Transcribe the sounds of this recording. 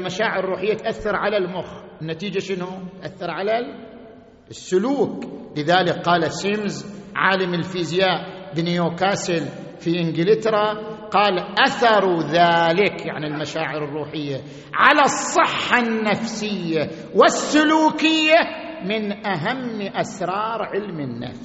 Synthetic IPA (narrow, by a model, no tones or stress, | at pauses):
lmaʃaːʕɪɾɪrˤːuːħɪjːat̪ʔaθːɑɾˤʕalalmʊxɾ | ɪnːat̪iːd͡ʒaʃɪnʊt̪ʔaθːɑɾˤʕala | sːʊluːklɪðaːlɪkqɑːlasɪmzʕa̰ːlamɪlfiːzjaːʔbɪnioːkaːsɪl | fiʔɪnɡɪlɪt̪ɾˤɑqɑːlʔaθɑɾˤuðaːlɪkja̰ʕnilmaʃaːʕɪɾɨrˤːuːħɪjːa | ʕalasˤːɨħːanːafsɪjːa | wɪsːʊluːkɪjːa | mɪnʔaɦamːʔasɾˤɑːɾˤʕɪlmɪnːa̰fs